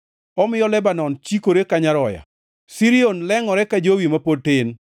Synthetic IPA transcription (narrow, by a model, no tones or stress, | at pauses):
ɔmɪjɔlɛbanɔnt͡ʃikoɾekaɲaɾɔja̰ | siɾionlɛŋɔɾɛkad͡ʒowimapod̚tɪn